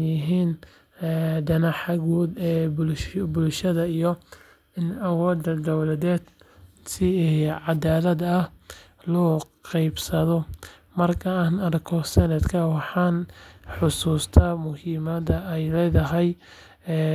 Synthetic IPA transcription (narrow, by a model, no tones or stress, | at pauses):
jɪɦiːnː | ɖɐnɐħɐɣuːd̪ɛbʊbʊlʃɐðɐijɔ | ɪnɐwɔːd̪ɐd̪ɔwlɐðɛːd̪ | sɪʕɑd̪aːlɐd̪ɐh | lɔːqɑjbsɐðɔ | mɐrkʰɐaːnɐɾkʰɔsɛnɛd̪kʰɐwɑħɑːnħʊsuːst̪ʰɐmʊhiːmɐd̪ɐɛjlɛːðɐɦɛjː